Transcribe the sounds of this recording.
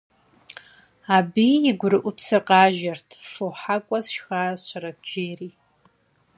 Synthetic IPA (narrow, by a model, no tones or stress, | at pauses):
aːbiɪɡʷʊɾɨʔʷʊpʰsɨqɑːʒɐrtʰfoħakʷʼɔsʃxaːɕɐɾɐd͡ʒeːɾiː